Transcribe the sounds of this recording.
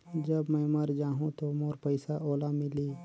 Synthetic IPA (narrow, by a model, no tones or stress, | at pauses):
d͡ʒɐbmɛ̃ːmɐɾd͡ʒaːɦũt̪omoːɾpəɪsaʔoːlamɪliː